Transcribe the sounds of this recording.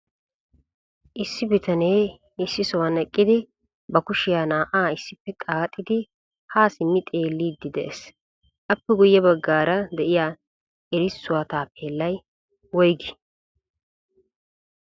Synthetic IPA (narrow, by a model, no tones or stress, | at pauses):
ʔɪsːɪbɪt̪ɐne̞ː | ɪsːɪsɔwɐnɛkʼːɪd̪ɪ | bɐkʊʃɪjaːnaːʔaːɪsːɪpːɛkʼaːt̪ʼːɪd̪ɪ | haːsɪmːɪt̪ʼeːlːiːd̪ːɪd̪ɛʔes | ʔɐpːɛɡʊjːɛbɐɡːaːɾɐd̪ɛʔɪja | ɛɾɪsːʊwaːt̪aːpeːlːɐj | wɔjɡɪ̥